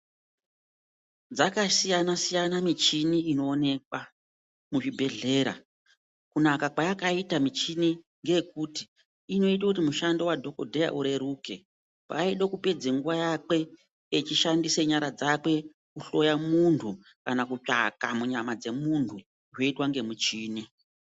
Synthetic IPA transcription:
d͡zakasijanasijanamit͡ʃiniino̞ːne̞kwa | muʐibʱe̞ɮe̞ːɾa̰ | kunakakwajakaitamit͡ʃini | ŋɡe̞kuti | ino̞it̬akutimuʃando̞wadʱo̞kodʱeja̰ʔuɾe̞ɾuːke̞ | pa̰iɗokuped͡zeŋɡuʋajake̞ː | t͡ʃiʃandiseɲaɾad͡zakwe̞ | kuɬo̞jamuntʰu | kanakut͡ʂa̰kamuɲamad͡ze̞muntʰu | ʐwo̞itwaŋɡe̞mut͡ʃiːni

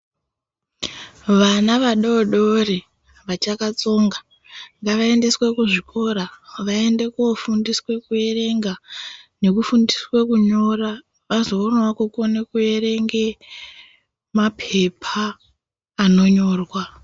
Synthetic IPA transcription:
ʋanaʋaɗoɗo̞re | ʋat͡ʃakat͡so̞ŋɡa | ŋɡaʋae̞nde̞swe̞kuʐiko̞ɾaʋae̞nde̞kofundiswe̞kue̞re̞ŋɡane̞kufundiswe̞kuɲo̞ra | ʋazo̞ːnwakukonekue̞re̞ŋɡe̞ | mapʰe̞pʰaː | no̞ɲo̞ːrwa

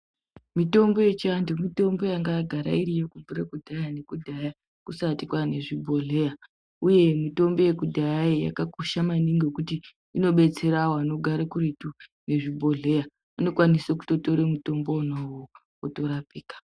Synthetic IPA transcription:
mito̞mbo̞je̞t͡ʃiandomito̞mbo̞jaŋɡajaɡʱaɾa̰iɾijokuɱvuɾekudʱajane̞kudʱaja | kusatikwane̞ʐibʱo̞ɮe̞ja | uje̞mito̞mbo̞je̞kudʱajajeja̰kakoʃamaniŋɡokuti | ino̞ɓe̞t͡se̞ɾaoano̞ɡʱaɾakuretune̞ʐibʱo̞ɮe̞ja | ano̞kwanisoku̥to̞toɾemuto̞mbonawo | oto̞ɾapiːkḁ

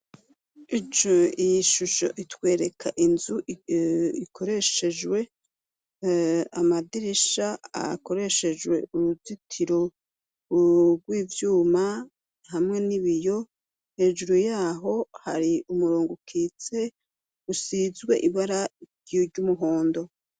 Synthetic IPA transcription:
it͡ʃoijiʃuʃo̞̰ʔitwe̞ːɾe̞kʰaʔinzuʔikʰo̞ɾe̞ʃe̞d͡ʒwe̞ | amadiɾiʃaa̰ko̞ɾe̞ʃe̞d͡ʒwe̞̰uɾuzitʰiɾo̞ | ɡɡwiːvjuːma | hamŋe̞niβijo̞ | he̞ːʒuɾujaːɦo̞haɾiumuɾoːŋɡukʰit͡se̞ | ɡusizɡwe̞ʔiβaɾaɾɟoɾɟumuɦo̞ːndo̞

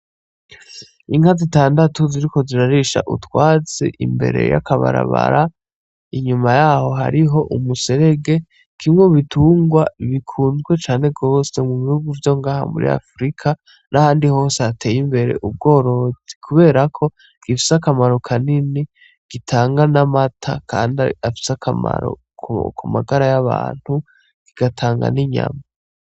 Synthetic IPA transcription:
iŋhazitaːndatuziɾiko̞ziɾaɾiʃa̰ʔṵtwaːzḛʔḭmbe̞̰ɾe̞̰ja̰kaβa̰ɾa̰βa̰ɾa | iɲumajaɦo̞ɦa̰ɾiɦo̞ʔumuse̞ɾe̞ɡe̞ | kimŋoβitʰuːŋɡwaiβikʰuːnzɡwe̞t͡ʃaːne̞ɡo̞ːse̞muβihuɡuvjo̞ŋɡaːha̰mṵɾḭa̰fɾikʰa | nʔahaːndiho̞ːseatʰe̞jimbe̞ɾe̞̰ʔub̚ɡo̞ːɾo̞zi̥kʰuβe̞ːɾakʰo̞ | ɡ̥ifi̥sakamaɾo̞kʰanini | ɡ̥itʰaːŋɡanamatʰa̰kʰa̰ːndafi̥sakʰa̰ma̰ɾo̞̰ | kṵkumaɡaɾajaβa̰ːn̥hu | ɡ̥iɡ̥atʰaːŋɡa̰niɲa̰ma

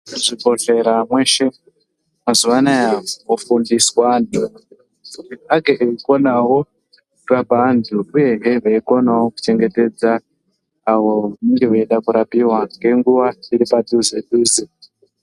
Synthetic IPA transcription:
ʐibo̞ɬe̞ɾamwe̞ʃe | mazuʋanajaofundiswandʰʱu | iaɡeʔeiko̞nawo̞ | kabandʰʱuuje̞ɦeʋeiko̞nawoku̥t͡ʃe̞ŋɡe̞te̞d͡zaː | wo̞aneŋɡewoeɗakuɾapiɦwaŋɡe̞ŋɡuʋaiɾipaduzeɗuːzi

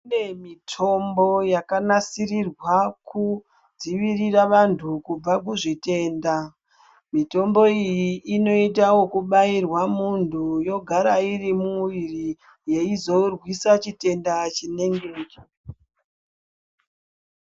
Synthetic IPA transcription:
nemitʰo̞mbo̞jakanasirirwaku | d͡ziʋiriraʋantʰukub͡vak̬uʐite̞ːnda | mito̞mbo̞ijiʔːno̞itawo̞kuɓairwamuntʰujo̞ɡʱaɾairimuʋiri | je̞izo̞rwisat͡ʃite̞ndat͡ʃine̞ŋɡeːke

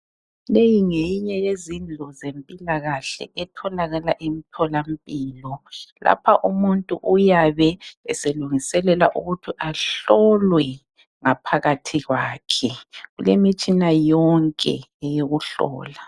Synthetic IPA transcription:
lejiŋejiɲɛjezind͡ɮʱɔzempʼilaɣaɬɛ̰ʔɛtʰɔlaɣalaʔemitʰɔlam̩pʼiːlɔlʔa̰pʰaʔumuntʼṵʔujaβɛɛseluŋisɛlɛla̰ʔuɣutʰiʔaɬɔlwɛ | ŋapʰaɣatʰiɣwaːkʰɛɣulemit͡ʃʼinajɔŋkʼɛ̰ɛjoɣuɬɔ̰ːla

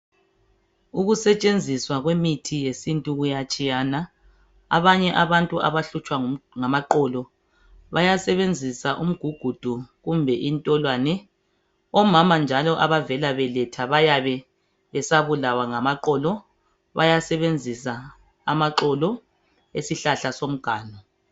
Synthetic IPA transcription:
uɣusɛt͡ʃʼend͡zʱiswaɣwemitʰijesintʼuɣujat͡ʃʼijana | a̰βaɲɛʔaβantʼuʔa̰βaɬut͡ʃʼwaŋamaǃɔːlɔ | βajasɛβend͡zʱisaʔum̩ɡ̥ʱuɡ̥ʱud̥ʱuɣumbʱɛʔintʼɔlwaːnɛ | ɔmamand͡ʒʱalɔʔaβavɛlaβɛlɛtʰaβajaβɛ | βɛsaβulawaŋamaǃɔlɔ | βa̰jasɛβend͡zʱisaː | maǃɔlɔ | ḛsiɬaɬasom̩ɡ̥ʱaːnɔ

